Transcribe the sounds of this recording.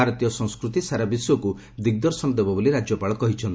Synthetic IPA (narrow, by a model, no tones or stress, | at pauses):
aɾɔt̪ijɔsɔ̃ŋskɾut̪isaɾabiswɔku | d̪iɡ̚d̪ɔɾsɔnɔd̪ebɔboliɾad͡ʒjɔpaɭɔkɔɦit͡ʃʰɔnt̪